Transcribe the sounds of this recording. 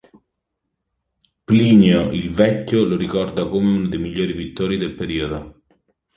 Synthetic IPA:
pliːnjoʔilvɛcːoloɾikɔrd̪akomeunad̪ejmiʎːoːɾipit̪ːoːɾid̪elpeɾiːod̪o

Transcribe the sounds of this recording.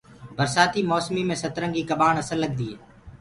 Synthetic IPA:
bʱəɾsaːt̪iːmoːsmiːmẽːsət̪ɾə̃ŋɡiːkəbaːɳəsəlːəɠ̚d̪iːe

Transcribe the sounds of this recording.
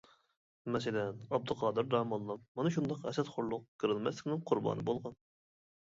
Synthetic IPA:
mɛsɪlɛnɑb̚d̪ɨqʰɑːd̪ɨɾd̪ɑːmɑnlˠɑpmɑnɨʃund̪ɑqɛ̰sɛt̪χʊɾlˠʊq̚kʰɨɾɨlˠmɛslɪkʲnɪŋqʰʊɾbɑ̰ːnɨbolˠʁɑn

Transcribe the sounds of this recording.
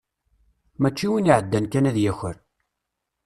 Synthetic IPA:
mæt͡ʃːiwiniʕəd̪ːænkænæðjæçəɾ

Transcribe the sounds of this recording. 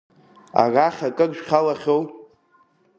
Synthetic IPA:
a̰raχʲakʼɨɡʒᶣχʲalaχʲow

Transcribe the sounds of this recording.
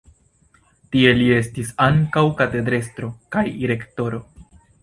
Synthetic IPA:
tie̞lie̞stisaŋkawkate̞dɾe̞stɾo̞kajiɾe̞kto̞ɾo̞

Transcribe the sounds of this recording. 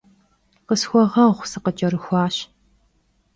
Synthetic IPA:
qəsxʷɔʁɐχʷsɨqət͡ʃʼɐɾɨxʷɑːɕ

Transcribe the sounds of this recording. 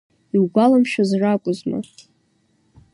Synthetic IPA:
iwɡʷalamʃᶣazrakʷʼʊzma̰

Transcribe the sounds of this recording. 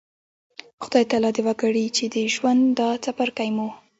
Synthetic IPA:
xʊd̪ɑjt̪alɑd̪ɪwaɡaɽit͡ʃed̪əʒwand̪d̪ɑt͡sapaɾkajmu

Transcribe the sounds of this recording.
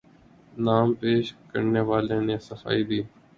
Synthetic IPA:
naːmpeːʃkə̰ɾneːʋaːlẽːnẽːsəfa̰ːiːd̪iː

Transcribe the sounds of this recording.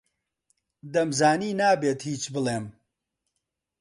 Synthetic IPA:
d̪ɐmzaːniːnaːbeːt̪hiːt͡ʃbɨlˠeːm

